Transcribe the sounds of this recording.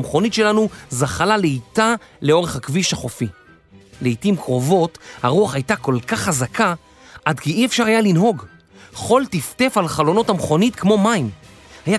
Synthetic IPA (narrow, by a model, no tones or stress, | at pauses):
mχo̞nitʃe̞lanuzaχalaleitaleo̞ʁeχhakviʃaχo̞fi | leitimkʁo̞vo̞thaʁuaχajtako̞lkaχːazakʰa | ʔadkiiefʃaʁhajalinɦo̞ɡ | χo̞ltifte̞falχalo̞no̞thamχo̞nitkmo̞maim | haja